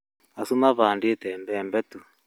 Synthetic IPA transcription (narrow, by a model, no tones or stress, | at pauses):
asumaβaːndietɛmbɛmbɛtu